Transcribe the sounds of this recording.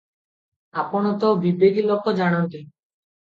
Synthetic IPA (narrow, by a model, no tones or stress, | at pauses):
apɔɽ̃ɔt̪obibeɡilɔkʰːɔd͡ʒaɽ̃ɔnt̪i